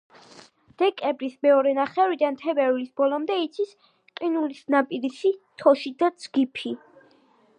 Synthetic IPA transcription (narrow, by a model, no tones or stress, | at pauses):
d̪̥ɛkʼɛbɾismɛɔɾɛnaχɛvɾid̪ant̪ʰɛbɛɾulisb̥ɔlɔmd̪ɛit̪sʰis | qʼinulisnapʼiɾisit̪ʰɔʃid̪ad̪zɡipʰi